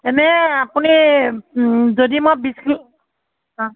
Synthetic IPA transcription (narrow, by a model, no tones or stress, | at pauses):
ɛnɛapuni | zodimobiski | ã